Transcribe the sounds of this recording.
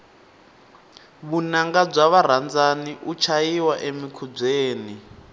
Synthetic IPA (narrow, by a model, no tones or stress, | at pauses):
βunaŋɡab͡ʐaβaɾ̤and͡zaniʔut͡ʃʰajiwaʔemikʰub͡ʐeːni